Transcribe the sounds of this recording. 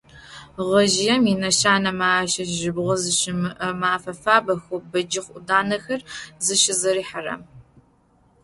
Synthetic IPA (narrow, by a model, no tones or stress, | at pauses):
ʁɐʒɪjɛminɐʃaːnɐmaːʃɐʒɪbʁʷɐzɨʃɪmɨʔɐmaːfɐfaːbɐxʊbɐd͡ʒɪχʷʔʊdaːnɐxɐrzɨʃɪzɐɾiːħarɐ̰m